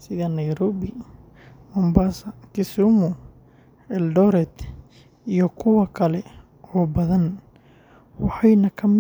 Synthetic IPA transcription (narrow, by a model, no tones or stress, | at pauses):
sɪðɐnɐjɾɔːβɪ | mɔmbasɐkɪsumʊ | ɛldɔɾɛd̪ | ijɔkʰʊwɐkʰɐlɛ | ɔːbɐðɐn | wɑħɑjnɐkʰɐmɪ